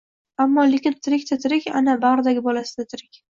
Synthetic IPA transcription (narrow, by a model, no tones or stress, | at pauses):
amːɒlekʲɪnt̪ʰɪɾɪkʲt̪ʰat̪ʰɪɾɪkʲanabaɾd̪aɡʲɪbɒlasɪd̪at̪ʰɪɾɪkʲ